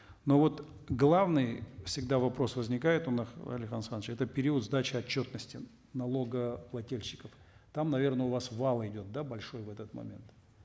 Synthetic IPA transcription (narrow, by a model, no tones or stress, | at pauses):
no̞vo̞t̪ | ɡlˠavnɨjfsʲɪɡ̚d̪avɐpɾo̞svəzʲnʲɪkajɪt̪ʊnaxɐ̰lʲɪkxansand̪ət͡ʃɛt̪əpʲɪɾʲiət̪zd̪at͡ɕɪɐt͡ɕːo̞t̪nəsʲtʲɪ | nɐlˠo̞ɡəplˠɐtʲelʲɕːɪ̥kəft̪amnɐvʲe̞rnəʊvasvalˠəɪdʲo̞t̪̚d̪abɐlʲʂo̞jvɛt̪ət̪mɐ̰mʲe̞̰nt̪